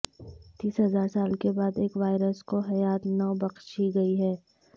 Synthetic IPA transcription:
t̪iːsɦɐzaːɾsaːlkebaːd̪eːkʋaːɪɾəskoɦɐjaːt̪nɔbɐqʃiɡɐiɦɛː

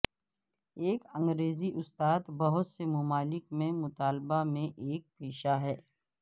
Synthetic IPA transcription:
eːkə̃ŋɡɾeːziʔʊst̪aːt̪bɐɦʊt̪semʊmaːlɪkmẽmʊt̪aːlbamẽʔeːk̚peːʃaɦɛː

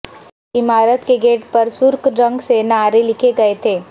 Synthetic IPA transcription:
ɪmaːɾət̪keɡeːʈpɐɾsʊɾkɾɐ̃ŋɡsenaːɾelɪkʰeɡɐet̪ʰeː

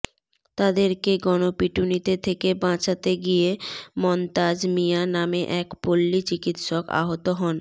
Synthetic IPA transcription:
t̪ad̪eɾkeɡɔnopiʈunit̪et̪ʰekebãt͡ɕat̪eɡijemɔnt̪ad͡ʑmijanameʔɛkpolːit͡ɕikit̪ʃoka̰ɦot̪oɦɔn

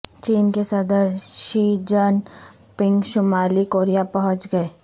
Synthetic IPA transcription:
t͡ʃiːnkesɐd̪əɾʃiːd͡ʒən | pɪ̃ŋɡʃʊmaːlikoːɾijapɐɦʊ̃t͡ʃɡɐeː

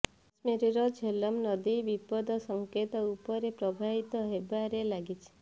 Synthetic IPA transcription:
smeɾiɾɔd͡ʒʱelɔmnɔd̪ibipɔd̪ɔsɔŋket̪ɔupɔɾepɾɔbʱaɦit̪ɔɦebaɾelaɡit͡ʃʰi̥

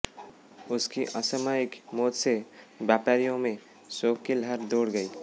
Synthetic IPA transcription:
ʊskiʔəsəmaɪkmoːt̪sebjaːpaɾijõmẽ | soːkkilɦəɾd̪oːɽɡəi

